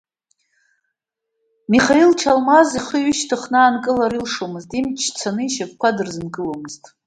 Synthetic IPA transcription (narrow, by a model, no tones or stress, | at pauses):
miχailʈ͡ʂʰalmaziχəɥʏʃtʰɨχnɨaːnkʼɨlaɾilʂomɨztʼimt͡ʃʰt͡sʰanɨiʃak̚ʷʰkʷʰadɨrzɨnɡʼɨlomɨztʼ